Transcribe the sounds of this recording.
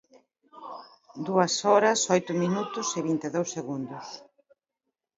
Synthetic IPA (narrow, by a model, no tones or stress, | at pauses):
d̪uɐsɔɾɐsɔjt̪ʊminut̪ʊseβint̪eðowsːeɣund̪ʊs